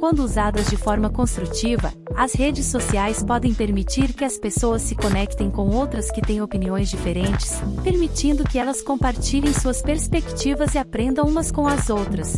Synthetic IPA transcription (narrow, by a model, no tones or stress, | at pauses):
kwɐ̃nd̪ʊuzad̪ɐzd͡ʒɪfɔɾmɐkõst̪ɾut͡ʃivɐ̰ | ɐshed͡ʒɪsːosiajspɔd̪ẽj̃peɾmit͡ʃiɾkɪɐspesowɐsːɪkonɛkt̪ẽj̃kõw̃owt̪ɾɐskɪt̪ẽj̃opiniõj̃zd͡ʒifeɾẽnt͡ʃɪ̥speɾmit͡ʃĩnd̪ʊkɪɛlɐskõpaɾt͡ʃiʎẽj̃suɐspeɾspekt͡ʃivɐzɪapɾẽnd̪ɐ̃w̃ũmɐskõw̃ɐzowt̪ɾɐs